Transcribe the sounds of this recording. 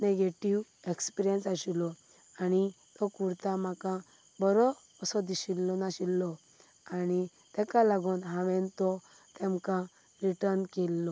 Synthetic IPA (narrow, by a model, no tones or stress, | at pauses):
neɡeʈiʋ | ekspiɾijənsaɕilɔ | ani | t̪ɔkuɾt̪ãmakã | bɔɾɔː | sɔd̪iɕilːɔnaɕilːɔ | ani | t̪ɛ̃kãlaɡuːnɦãʋɛ̃nt̪ɔ | t̪ɛ̃mkã | ɾiʈəɾnkelːɔ